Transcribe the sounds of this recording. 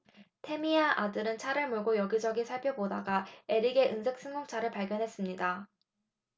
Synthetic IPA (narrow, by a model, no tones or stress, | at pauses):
tʰe̞miaʔadɯɾɯnt͡ɕʰaɾɯɭmoɭɡojʌɡid͡ʑʌɡisʰaɭpʰjʌbodaɡaeɾiɡe̞ʔɯnsʰek̚s͈ɯŋɡoŋt͡ɕʰaɾɯɭpaɭɡjʌnɦe̞s͈ɯmɲida